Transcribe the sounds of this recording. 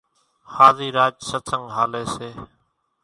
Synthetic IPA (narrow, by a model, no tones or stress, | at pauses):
haːziːɾaːd͡ʒsət̪ʰəŋɡɦaːleːseː